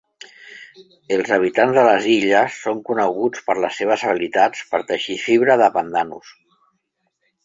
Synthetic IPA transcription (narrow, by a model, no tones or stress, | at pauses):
əlˠzəβ̞it̪anzðələziʎəsːoŋkunəɣut͡spəɾləsːeβ̞əzəβilit̪at͡spəɾt̪əʃifiβɾəðəpənd̪anṵs